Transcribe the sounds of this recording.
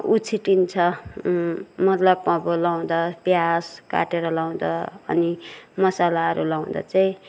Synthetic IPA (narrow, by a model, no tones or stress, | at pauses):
ut͡sʰiʈint͡sʰʌ | mʌt̪lʌbpʌ̃bolaw̃d̪ʌbjaska̰ʈeɾʌlaw̃d̪ʌ̰ʌ̰nimʌsalaʌɾṵlaw̃d̪a̰t͡saĩ